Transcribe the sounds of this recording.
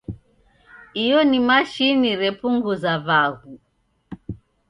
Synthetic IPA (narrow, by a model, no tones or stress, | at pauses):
ijɔnimaʃiniɾɛpuŋɡuzaβaɣu